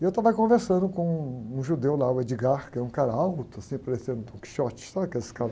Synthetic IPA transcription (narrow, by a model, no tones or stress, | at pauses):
ɪewt̪avɐkõveɾsɐ̃nd̪ʊkõũʒud̪ewlaʊwɛd͡ʒiɡaɾkɛũkaɾɐawt̪ʊasĩpaɾesẽnd̪ʊt̪õki̥ʃɔt͡ʃɪ̥saɐkelɪsɪ̥kaɾɐ